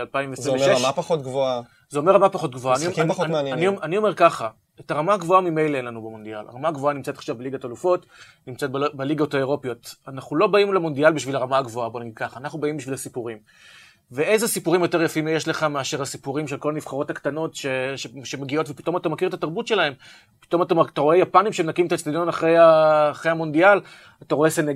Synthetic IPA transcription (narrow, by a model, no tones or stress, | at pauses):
alpaimveszʁiveʃeʃmapaχot̪̚ɡvoa | zeomeʁamapaχo̞t̪ɡvoanimeanjanianio̞me̞ʁkaχa | etaʁamaɡvo̞amimejleenlanubemo̞nd̪iala̰ʁamaɡvo̞animt͡set̪aχʃavbeliɡatalufo̞t | nimt͡set̚bbeliɡaotaeʁo̞pjo̞tanaχulo̞baimlemo̞nd̪ialbiʃvilaʁamaɡvo̞abo̞naɡid̪̚kaχaːnaχnubaimbiʃvilhasipuʁim | veʔe̞zesipuʁimjo̞te̞ʁjafimjeʃle̞χameaʃeʁasipuʁimʃelko̞laniv̥χaʁo̞takt̪ano̞tʃeʃeʃemeɡio̞tvepi̥t̪o̞mat̪amakiʁt̪ataʁbutʃe̞lahe̞m | pi̥t̪o̞matamt̪aʁo̞e̞japanimʃeemnakimet̪at͡stad̪jo̞naχʁejaːχʁejhamo̞ndial | ataʁo̞e̞sene